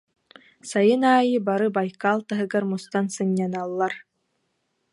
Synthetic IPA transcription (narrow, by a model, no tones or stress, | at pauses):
sajɯnaːjɯbaɾɯbajkalˠt̪aɦɯ̆ɡaɾmust̪ansɯnʲːanalˠːaɾ